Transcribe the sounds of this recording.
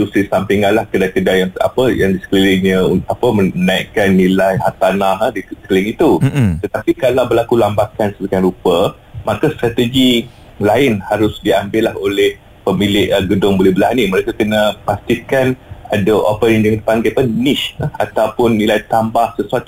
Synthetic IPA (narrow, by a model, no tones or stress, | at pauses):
t̪usisampiŋalahkədakədajaŋa̰pəjaŋdisə̥klilɪŋɲəapəəənaiʔkanːilajɦa̰t̪anahədisə̥kəlɪŋit̪ut̪ət̪apikalawbəlakulambakansədukanɾupə | makast̪ɾat̪əɡi | laɪnhaɾʊsdiambɪlaholɛh | pəmilɪʔɡədʊŋbolɛhbəlaɦaniməɾekakənəpast̪ikanadəʔo̰pəaŋdəŋãndəpaŋɡapəniʃəa̰t̪awpʊnːilajt̪ambahsəsuat̪u